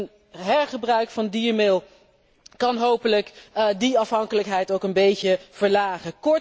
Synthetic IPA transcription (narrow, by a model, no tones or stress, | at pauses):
n | ɦɛɹχəbrœɥkfɑndiːɹmɪlˠ | kɑnɦowpələkdiɑfɦɑŋkələkɦɛjtowkənbejcəv̥əɹlaːχəkɔɹ